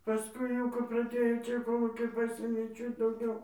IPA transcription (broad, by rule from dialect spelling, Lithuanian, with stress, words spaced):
pɐˈskʊɪ jɛʊ kɐp prɐˈdʲeːjoː ˈt͡ʃʲɛ koːˈlˠuːkʲɛɪ ˈpɑːsʲeːmʲeː ˈt͡ʃʲɛ dɐʊˈɡʲɛʊ